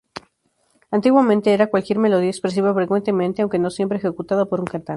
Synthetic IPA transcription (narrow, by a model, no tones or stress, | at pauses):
ant̪iɣwamẽnt̪e̞eɾakwalkje̞ɾme̞lo̞ð̞iekspɾes̬iβafɾe̞kwe̞nt̪e̞mẽnt̪eawŋke̞no̞sje̞mpɾeːxe̞kut̪aðopo̞ɾuŋkant̪an